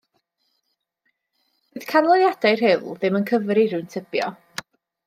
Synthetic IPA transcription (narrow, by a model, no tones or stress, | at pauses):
v̥ɨð̥kʰanlˠɔðjad̥ajrɦɪlˠðɪmənkʰəvɾiɾɨntʰɪb̥jɔ